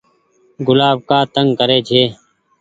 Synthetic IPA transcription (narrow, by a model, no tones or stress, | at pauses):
ɡʊlaːb̚kaːt̪əŋɡkəɾeːd͡ʒʱeː